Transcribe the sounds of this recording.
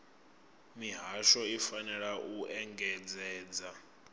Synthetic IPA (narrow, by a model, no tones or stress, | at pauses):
miɦaʃɔifanɛɺaʔuʔɛŋɡɛd͡zɛːd͡za